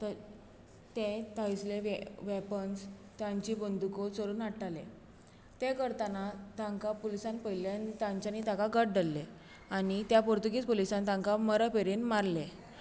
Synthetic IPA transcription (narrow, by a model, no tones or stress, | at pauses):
t̪əɾ | t̪ẽt̪əisleʋeʋepənst̪jãɲt͡ɕiːbənd̪ukosoɾuːnaʈʰalḛ | t̪ekəɾt̪anat̪ãŋkapolisãnpəjilanit̪ãɲt͡ɕanit̪ãkaɡəʈ̚ɖəlːe | añit̪japoɾt̪uɡiːt͡spolisãnt̪ãŋkaməɾəpeɾinmaɾle